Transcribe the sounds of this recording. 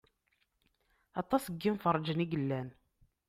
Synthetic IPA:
ɑt̪ˤɑsəɡːimfərˤːd͡ʒəniɡəlːæn

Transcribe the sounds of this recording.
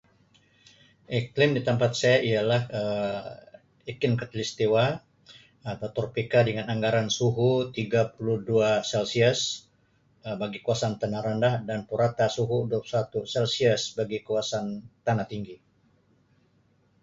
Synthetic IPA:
ʔiklɪmdit̪əmpat̪̚sajaialahə | ikɪnkət̪list̪iwa | at̪at̪ɔrpikadəŋanaŋɡaɾansuɦut̪iɡapuluhduasɛlsiəs | baɡikuasant̪anaɾandahdanpuɾat̪asuɦudusat̪usɛlsiəsbaɡikuasant̪anat̪iŋɡi

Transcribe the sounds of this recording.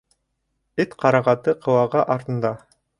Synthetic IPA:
et̪qʰɑɾɑʁɑt̪ɤqʰɤ̆wɑʁɑʔɑɾt̪ɤ̆nd̪ɑ

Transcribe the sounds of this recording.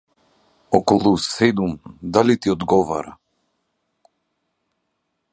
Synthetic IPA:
ɔkɔlˠusɛd̪umd̪alit̪iɔd̪ɡɔva̰ɾa̰

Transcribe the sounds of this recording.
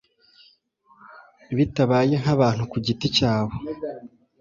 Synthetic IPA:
βitaβaːje̞ŋaβaːn̥hukuɟiticaːβo

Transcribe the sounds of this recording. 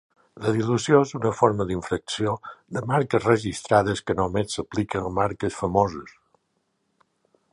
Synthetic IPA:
ləðiluzjoezunəfoɾməðiɱfɾəksioðəmaɾkəzrəʒist̪ɾaðəskənomesːəplikənmaɾkəsfəmozəs

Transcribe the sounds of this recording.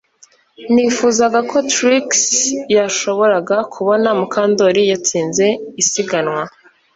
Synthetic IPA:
nifuːzaɡakʰo̞tɾiksjaʃo̞βo̞ɾaɡakʰuβo̞namukaːndoɾijat͡siːnze̞isiɡanwa

